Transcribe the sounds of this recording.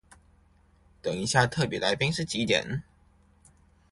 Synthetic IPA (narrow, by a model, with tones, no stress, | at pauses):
t̪ə˨˩ŋi˧˥ɕja˥˧t̪ʰɤ˥˨˩pjɛ˧˥la˧˥ɪpi˥ŋʂɻ̩˥˩t͡ɕi˧˥t̪jɛ̰˨˦n